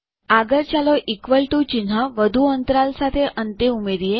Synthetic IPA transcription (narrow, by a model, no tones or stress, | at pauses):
aɡəɾt͡ɕalɔʔikʋəɭʈut͡ɕinɦaʋəd̪ʱuənt̪ɾalsat̪ʰeʔənt̪eumeɾije